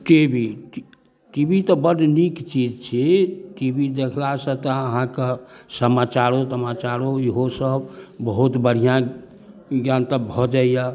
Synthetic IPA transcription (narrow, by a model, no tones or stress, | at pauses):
ʈibi | ʈibit̪ɔbəɖnikt͡ʃid͡ʒt͡ʃʰiʈibid̪ekʰlasə̃t̪əəɦãkesəmat͡ʃaɾosəmat͡ʃaɾoiɦosəbbəɦut̪bəɽ̤ijã | ɡjant̪əbʱɔd͡ʒaija